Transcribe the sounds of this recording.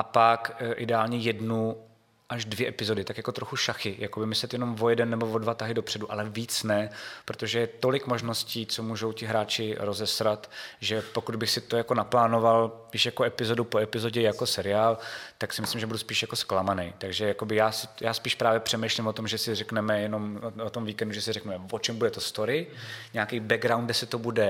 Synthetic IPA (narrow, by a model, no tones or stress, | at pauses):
ʔapakʔɪdɛaːlɲɛjɛdnu | ʔaʒdvjɛʔɛpɪzo̞dɪt̪akjako̞t̪ɾoxuʃaxɪjako̞bɪmɪslɛt̪jɛno̞mvo̞jɛdɛnːɛbo̞vo̞dvat̪aɦɪdopr̝̥ɛduʔalɛviːt͡snɛpɾot̪o̞ʒɛjɛt̪o̞lɪkmo̞ʒno̞sciːt͡so̞muːʒo̞wcɪɦɾaːt͡ʃɪɾo̞zɛsɾat̪ʒɛpo̞kud̪bɪxsɪt̪o̞jako̞naplaːno̞val | ɪʃjakoʔɛpɪzo̞dupoɛpɪzo̞ɟɛjako̞sɛɾɪaːlt̪aksɪmɪslimʒɛbuduspiːʃjako̞sklamanɛjt̪aɡʒɛjako̞bɪjaːsɪjaːspiːʃpɾaːvjɛpr̝̥ɛmejʃlɪmvot̪o̞mʒɛsɪrɛknɛmɛjɛno̞mot̪omviːkɛnduʒɛsɪrɛknumɛmvot͡ʃɛmbudɛt̪ost̪o̞ɾɪɲɛakijbɛɡɾawnd̪ɡdɛsɪt̪obudɛ